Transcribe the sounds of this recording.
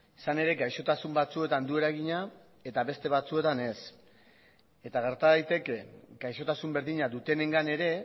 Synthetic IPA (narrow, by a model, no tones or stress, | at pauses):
sane̞ɾe̞ɡajʃo̞t̪asumbat͡sue̞t̪and̪ue̞ɾajɣiɲa | e̞t̪aβe̞st̪e̞βat͡sue̞t̪ane̞s | e̞t̪aɣ̞e̞ɾt̪aðajt̪e̞ke̞ɡajʃo̞t̪asumbe̞ɾðiɲad̪ut̪e̞ne̞ŋɡane̞ɾe̞